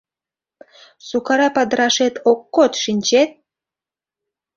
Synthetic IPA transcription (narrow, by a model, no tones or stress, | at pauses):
sukɑɾɑpɑd̪ɾɑʃet̪okːot̪ʃinʲt͡ɕet̪̚